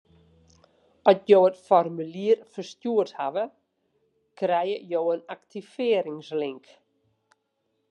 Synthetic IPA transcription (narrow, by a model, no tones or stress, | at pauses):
ɔsjoːətfɔrmyliərfərstjuəthaʋə | krɛjəjoːənaktʰifɪəɾɪŋslɪŋk